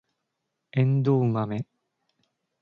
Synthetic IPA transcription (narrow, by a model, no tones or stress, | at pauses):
ẽnd̪oːmame